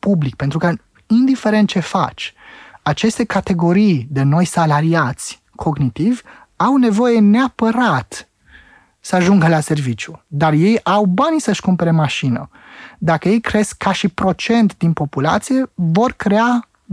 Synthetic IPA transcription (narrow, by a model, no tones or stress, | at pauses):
publik̚pent̪ɾuka | ind̪ife̞ɾe̞nt̪̚t͡ʃe̞fa̰t͡ʃʲat͡ʃe̞st̪e̞kat̪e̞ɡo̞ɾijd̪e̞no̞jsalaɾiat̪sʲ | kʰo̞ɡnit̪ivʲ | awne̞vo̞je̞ne̞apəɾat̪ | səaʒuŋɡəlase̞rvit͡ʃjud̪arje̞jawbansəʃkumpe̞ɾe̞maʃinə̰ | d̪akəje̞jkɾe̞skʰːaʃipɾo̞t͡ʃe̞nt̪d̪inpo̞pula̰t̪sije̞vo̞rkɾe̞a